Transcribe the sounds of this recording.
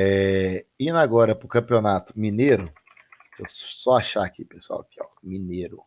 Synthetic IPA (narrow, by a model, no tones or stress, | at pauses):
ɛinaɡɔɾɐpɾʊkɐ̃pionat̪ʊ̥mĩneɾʊ | t̪ossɔaʃaakipeswa̰wkɛ̰wmineɾʊ